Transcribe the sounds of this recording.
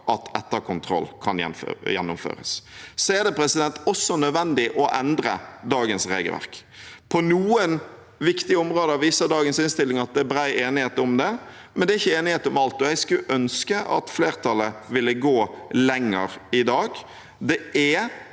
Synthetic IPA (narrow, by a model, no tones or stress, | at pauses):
ʔɑt̪ʰɛt̪ːəɾkʰʊnt̪ʰɾɔ̰lːkʰɑnjɛ̰jɛnːʊmfø̰ːɾə̰ssɔæʁd̪ɛpʰɾɛsɪd̪ɛnt̪ɔsːɔnœd̪ʋɛnd̪ɪʔɔʔɛnd̪ɾə̰d̪ɑːɡənsʁeːɡə̰ʋæ̰ʁkpʰɔnuːən | ʋɪkt̪ɪəɔmɾoːd̪əɑʋiːsəd̪ɑːɡənsɪnst̪ɪlːɪŋɑt̪̚d̪ɛːbɾæɪeːnɪheːt̪ɔmd̪ɛ | mɛnd̪ɛɾɪçːəeːnɪheːt̪əʊmɑlt̪ɔɛɡskʉʔœnskəʔɑ̰t̪fleːʁt̪ʰɑlːəʋɪlːəɡoːlɛŋːəɾɪd̪ɑːɡ | d̪ɛʔɛ